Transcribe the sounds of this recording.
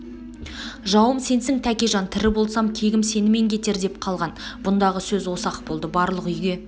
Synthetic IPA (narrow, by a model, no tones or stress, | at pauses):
ʒɑwəmse̞nsɪŋt̪ʰækʲe̞ʒɑnt̪ʰɪɾɪbo̞lˠsɑmkʲʰe̞ɡʲɪmse̞nɪme̞ŋkʲʰe̞t̪e̞ɾd̪e̞p̚qʰɑlˠʁɑnb̥ʊnd̪ɑʁəsɵzwo̞sɑqbo̞lˠd̪əbɑɾlˠəqʏjɡʲe̞